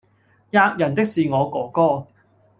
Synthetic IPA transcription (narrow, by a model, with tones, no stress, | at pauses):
jaː˧k̚jɐ˨˩nt̪ɪ˥k̚siː˨ŋɔː˨˧kɔː˨˥kɔː˥